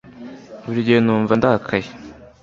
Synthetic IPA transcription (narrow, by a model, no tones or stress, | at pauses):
βuɾiɟeːnuːɱvandakʰaje